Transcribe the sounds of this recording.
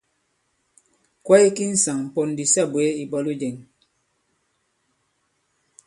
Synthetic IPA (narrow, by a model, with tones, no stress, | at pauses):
kwa˦i˦ki˦n̩˨sa˨ŋ̩˨po˨n˨di˨sɛ˦bwe˨˦i˨bɔ˦lu˦d͡ʒe˨ŋ